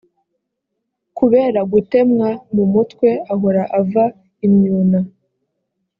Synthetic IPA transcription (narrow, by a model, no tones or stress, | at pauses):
kuβe̞ːɾaɡute̞mŋamumutwe̞aɦo̞ɾaʔava | imɲuːna